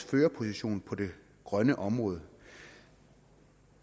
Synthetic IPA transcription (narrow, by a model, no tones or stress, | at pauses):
føːɐpʰo̝siɕo̝̰ːnpʰɒ̽de̝ | ɡ̥ʁɶnəʔɒ̽mʁɔ̽ːð̞̩ˠ